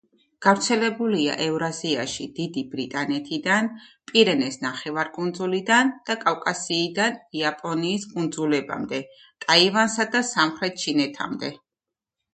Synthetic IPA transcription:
ɡ̥avɾt̪sʰɛlɛbulia̰ʔɛvɾaziaʃid̪̥id̪ibɾit̪ʼanɛt̪ʰid̪anpʼiɾɛnɛsnaχɛvaɾkʼund̪zulid̪and̪̥akʼavkʼasiːd̪aniapʼɔniːskʼund̪zulɛba̰md̪ɛ | t̪ʼaivansad̪asamχɾɛt̪̚t͡ʃʰinɛt̪ʰa̰md̪ɛ

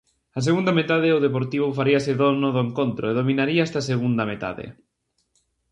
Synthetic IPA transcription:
ɐs̬eɣund̪ɐmet̪aðɪoðepoɾt̪iβ̞ʊfaɾiɐseðonʊðʊeŋkont̪ɾoeð̞omĩnaɾiaɛst̪aseɣund̪ɐmet̪a̰ðḛ

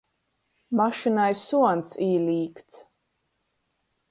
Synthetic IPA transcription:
maʃinajsuɔnt̪siːliːkt̪s

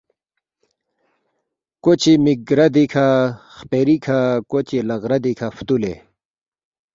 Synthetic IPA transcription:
kot͡ɕimiɡɾɐd̪ikʰaxpeɾikʰakot͡ɕilɐɣɾɐd̪ikʰaft̪ulḛ

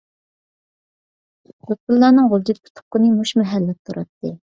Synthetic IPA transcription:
kot̪̚pɨlˠːɑːnɨŋʁolˠd͡ʒ̪ɪt̪̚pʰʊ̥t̪ʰʊ̥χqːənɨmuʃmɛɦælːɛt̪ʰuɾɑt̪ːɨ

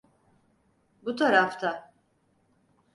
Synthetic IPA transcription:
but̪ʰaɾaft̪ʰa

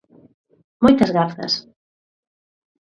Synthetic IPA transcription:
mojt̪ɐzɣaθɐ̰s

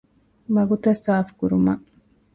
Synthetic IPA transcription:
maɡʊt̪asaːfkʊɾʊma̰

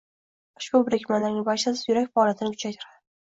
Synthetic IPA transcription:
ʊ̥ʃbʊbɾɪkʲmand̪aɾɪŋbat͡ʃasɪ̥zjʊɾakʲfaɒːlʲˠjat̪ʰɪnɪkʰʲʊt͡ʃʰajt̪ʰʊɾad̪ɪ

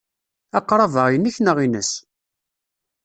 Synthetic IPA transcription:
ɑqːɾˤɑvəʁjənːiçnəʁinə̰s

